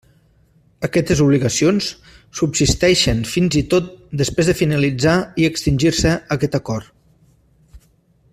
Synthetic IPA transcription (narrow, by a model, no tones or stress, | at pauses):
əkɛt̪əzuβliɣɐəsions | subsist̪ɛʃənfinzit̪ot̪̚d̪əspɾezðəfinəlid͡zaiəkst̪inʲʒiɾsəəkɛt̪əkɔrt̪